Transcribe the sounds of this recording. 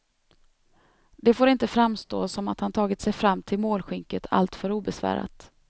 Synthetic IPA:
d̪ɛfoːɾɪnt̪əfɾamːst̪o̰ːsɔma̰t̪hant̪ʰɑːɡɪt̪sɛjfɾamːt̪ʰɪlmoːlɧʏŋkət̪ʰa̰lt̪fœɾuːbɛsvæ̰ːɾa̰t̪

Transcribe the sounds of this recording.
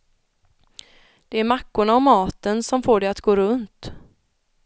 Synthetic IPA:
d̪̥ɛæɾmakːʊɳaɔmːɑːt̪ənsɔmfoːɖɛjat̪ɡoːɾɵnt̪

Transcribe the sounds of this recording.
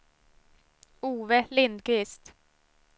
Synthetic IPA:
uːvəlɪnd̪̚kɾɪst̪

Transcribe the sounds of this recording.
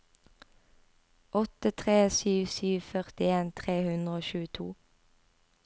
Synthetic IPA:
ʔɔt̪ət̪ʰʁeːsyːʋsyːʋfœʁt̪ɪeːnt̪ʰʁeːhʉnd̪ʁəoːʃʉːət̪ʰṵː

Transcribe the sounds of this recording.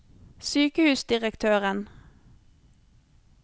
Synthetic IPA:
syːkəhʉːsd̪ɪʁəkt̪ʰøːʁən

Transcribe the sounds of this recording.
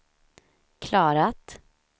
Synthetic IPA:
kʰlɑːɾat̪

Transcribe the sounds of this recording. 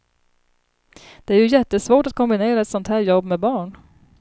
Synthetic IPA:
d̪̥ɛæɾjɵjɛt̪ːəsvoːʈat̪̚kʰɔmbɪneːɾaɛt̪sɔnt̪hæːɾjɔbːmɛbɑːɳ

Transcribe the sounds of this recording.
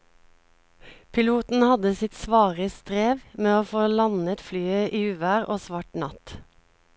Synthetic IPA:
pʰɪluːt̪n̩hɑd̪əsɪt̪sʋɑːʁəst̪ʁeːʋmeːoːfoːlɑnət̪flyːəʔiːʉːʋæːʁʔoːsʋɑːʈnɑt̪

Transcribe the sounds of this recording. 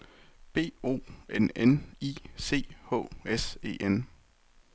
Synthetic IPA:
b̥e̝̰ːo̝̰ːenenise̝̰ːhɔ̰̽ːese̝̰ːʔen

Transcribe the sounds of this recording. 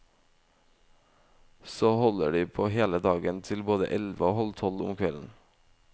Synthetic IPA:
soːhɔləɖiːpʰoːheːləd̪ɑːɡənt̪ʰɪlboːd̪ə̰ʔɛlʋəoːhɔlt̪ʰɔlʊ̰mkʰʋɛln̩

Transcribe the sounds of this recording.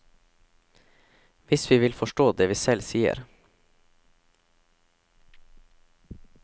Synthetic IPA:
ʋɪsʋiːʋɪlfɔʃʈoːd̪eːʋiːsɛlsiːə̰ɾ

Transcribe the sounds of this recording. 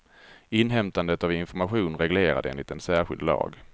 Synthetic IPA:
ɪnːɦɛmt̪and̪ət̪avɪnfɔɾmaɧuːnɾɛɡleːɾa̰d̪əḛːnlɪt̪ɛnsæːɾɧɪ̰ld̪lɑ̰ːɡ

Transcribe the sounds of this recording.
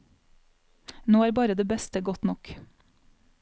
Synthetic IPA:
noːæːɾbɑːɾəd̪eːbɛst̪əɡɔt̪nɔk

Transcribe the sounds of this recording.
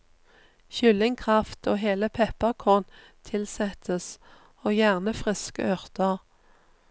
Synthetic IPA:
çʏlɪŋkʰʁɑft̪ʰoːɦeːləpʰɛpəʁkʰɔʁn | t̪ʰɪlsɛt̪ʰəs | oːjæʁnəfʁɪskə̰ʔœʁt̪əʁ

